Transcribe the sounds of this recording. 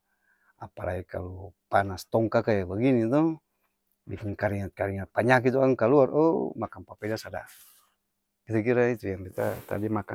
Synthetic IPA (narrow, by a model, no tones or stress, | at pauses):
apa̰la̰ika̰lupanast̪ɔŋkakajabaɡinit̪ɔ | bikiŋkaɾiŋat̪̚kaɾiŋat̪̚paɲak̬it̪̬ɔaŋkaluarʔɔ̰makanpapɛdasada̰ | kit̪ak̬iɾait̪ujaŋbɛt̪a̰t̪a̰dimaka